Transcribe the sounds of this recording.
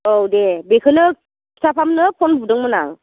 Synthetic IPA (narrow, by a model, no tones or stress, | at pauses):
odebekʰɯnɯ | isʰapʰamnɯpʰɔnbʱudɯŋmɯna̰ŋ